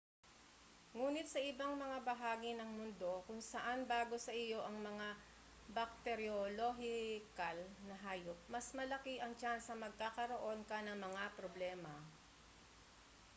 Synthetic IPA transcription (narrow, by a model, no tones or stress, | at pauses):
ŋuːnɪt̪̚sɐʔɪbaŋmɐŋabɐɦaːɡɪnɐŋmʊnd̪o̞kʊŋsɐʔanbaːɡo̞sɐʔɪjo̞ʔɐŋmɐŋa | bɐk̚t̪ɛɾjoloɦɪkɐlnɐɦaːjop̚mɐsmɐlɐkiʔɐŋt͡ʃansɐmɐɡ̚kaːkɐɾoʔo̞nkɐnɐŋmɐŋapɾoblɛːmɐ